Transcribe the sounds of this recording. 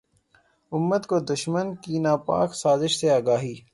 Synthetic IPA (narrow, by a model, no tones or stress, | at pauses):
ʊmːət̪kod̪ʊʃmənkinaːpa̰ːksaːzɪʃseaːɡaːɦiː